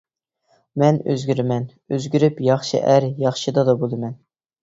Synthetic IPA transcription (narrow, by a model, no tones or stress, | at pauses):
mɛnø̰zɡʲyɾmɛn | øzɡʲyɾypjɑχʃɨ̰ʔæɾjɑχʃɨd̪ɑd̪ɑbolˠɨmɛn